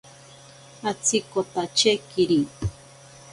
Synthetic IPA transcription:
at͡sikot̪at͡ʃekiɾi

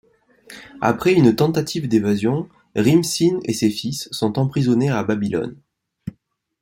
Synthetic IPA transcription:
a̰pχɛynt̪ɑ̃t̪at̪ʰivd̪evazjɔ̃ | ʁimsinḛsefisːɔ̃t̪ɑ̃pχizɔneababilɔ̰n

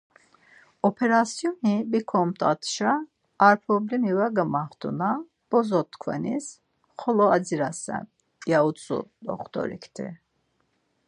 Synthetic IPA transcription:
ɔpʰɛɾasjɔnibikʰɔmt̪ʰʼa̰t̪ʰʃaː | ɾpʰɾɔblimivaɡəmaχt̪ʰṵna | b̥ɔzɔt̪ʰkʰvɛ̰nḭs | χɔlɔad͡ziɾasɛ̰n | jaut͡sʼṵd̪ɔ̰χt̪ʰʼɔ̰ɾḭkʰt̪ʰḭ

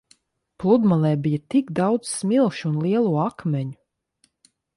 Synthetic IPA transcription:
plˠud̪malˠɛːbijat̪iɡd̪awd̪zsmilˠʃunlˠiɛlˠuːakmʲɛɲu

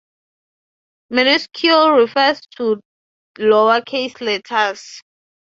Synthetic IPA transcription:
miniskʰulɹifɛstʰu | lowakʰeslɛtʰas

